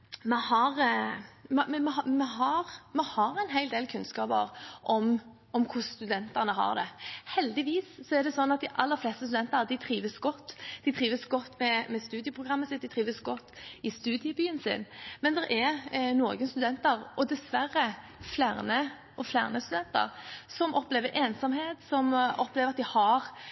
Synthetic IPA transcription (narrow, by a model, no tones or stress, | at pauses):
mɛhɑɾ | mɛɛmɛɑmɛɦɑɾmɛhɑɾæɪnɦæɪld̪eːlkʰʉnskɑːbə̰ʁʔɔm | ɔmkʰʊsst̪ʉd̪ɛnt̪əʁnəɦɑ̰ʁd̪ɛhɛld̪ɪʋiːssɔɛɾd̪ɛsɔnːɑt̪̚d̪ɪʔɑlːəɾflɛst̪əst̪ʉd̪ɛnt̪əd̪ɪt̪ʰɾiːʋəsɡɔt̪ːd̪̥ɪt̪ʰʁiːʋəsɡɔt̪ːmɛmɛst̪ʉːd̪ɪəpʰɾʊɡʁɑmːəsɪt̪̚d̪ɪt̪ɾiːʋəsɡɔt̪ːɪst̪ʉːd̪ɪəbyːənsɪ̰nmɛnd̪ɛɾʔɛɾnoːɡənst̪ʉd̪ɛnt̪əɾɔd̪ɛsʋæɾːə | flæʁnə | ʔɔflæ̰ʁnəst̪ʉd̪ɛnt̪ə̰ɾsɔmʔɔpleːʋəɾʔeːnsɑmheːt̪sɔmɔpːleːʋɾɑt̪̚d̪ɪhɑɾ